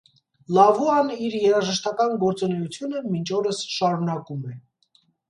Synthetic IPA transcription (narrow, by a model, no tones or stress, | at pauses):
lɑvuɑniɾjɛɾɑʒəʃt̪ɑkɑnɡɔɾt͡sɔnɛjut͡sʰjunəmint͡ʃʰɔɾəsʃɑɾunɑkumɛ